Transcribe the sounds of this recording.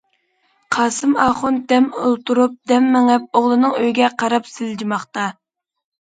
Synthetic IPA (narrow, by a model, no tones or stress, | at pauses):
qʰɑːsɨmɑːχʊnd̪ɛmolˠt̪uɾup̚d̪ɛmːɪŋɛp̚oʁlˠɨnɨŋøjɡʲɛqɑɾɑpsɪld͡ʒimɑχt̪ɑ